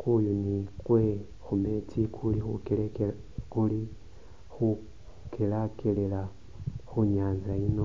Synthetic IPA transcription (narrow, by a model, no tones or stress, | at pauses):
kujunikwe̞ | xume̞tikʰulixukel | kuli | xu | kelakʰelela | xuɲaːnzaino̞